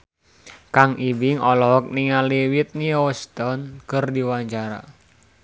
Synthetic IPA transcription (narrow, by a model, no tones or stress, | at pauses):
kaŋʔibɪŋɔlɔɦɔk̚niŋaliwit̪̚niɔst̪ɔnkərdiwaɲt͡ʃaɾa̰